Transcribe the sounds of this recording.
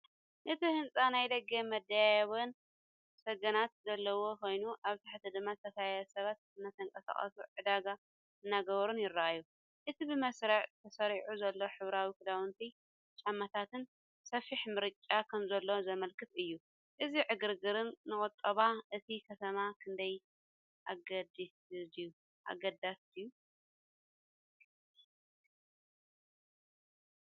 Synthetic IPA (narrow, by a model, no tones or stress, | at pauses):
ʔɨt̪ʰihɨnt͡sʼanajd̪ɐɡɐmɐd̪ajajβɐn | sɐɡɐnat̪zɐlːɐwo̞kʰo̞jnuʔaβt̪ʰaħt̪ʰɨd̪ɨmːazɨt̪ʰɐkajjɐsɐβat̪̚ɨnːɐt̪ʰɐŋkʼɐsa̰χʼɐ̰suʕɨd̪aɡa | ʔɨnːaɡɐβɐɾunjɪɾːɐʔajːu | ʔɨt̪ʰibɨmɐsɾɐʕt̪ʰɐsɐɾiʕuzɐlːo̞ħɨβɾawikɨd̪awɨnt̪ʰi | t͡ʃʼamːat̪ʰat̪ʰɨn | sɐfiħmɨɾɨt͡ʃʼːakʰɐmzɐlːo̞zɐmɐlkʰɨt̪ɨjːu | ʔɨziʕɨɡɨɾɡɨɾɨnːɨkʼɨt̪ʼːɐβaʔɨt̪ʰikʰɐt̪ʰɐmakʰɨnd̪ɐj | ʔaɡɐd̪isju | ʔa̰ɡɐd̪asɨju